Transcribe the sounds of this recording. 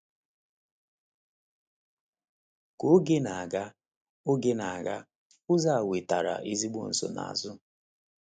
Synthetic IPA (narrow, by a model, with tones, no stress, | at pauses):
ko˨˦ɡe˦na˨a˨ɡa˦ | ʊ˦ɡe˦na˨a˨ɡa˦ | ʊ˦za˦a˨we˨ta˨ɾa̰˨ʔi˦zi˦ɡ͡bo̰˦n̩˨so̰˨na̰˨a̰˨zʊ˦